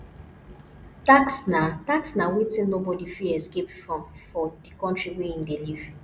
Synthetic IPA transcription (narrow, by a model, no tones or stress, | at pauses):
taksnataksnawitĩnnobɔdifiɛskepfɹɔ̃mfɔdikɔ̃ntɹiwiĩndeliv̥